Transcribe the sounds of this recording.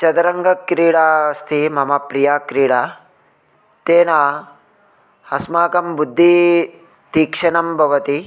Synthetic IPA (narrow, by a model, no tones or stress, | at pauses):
t͡ʃɐd̪ɐɾɐŋɡɐkɾiːɽaːst̪ʰimɐmɐpɾijaːkɾiːɽaː | t̪eːnaː | ɐsmaːkɐmbud̪ʱːi | t̪iːkʂɐnɐmbʱɐʋɐt̪i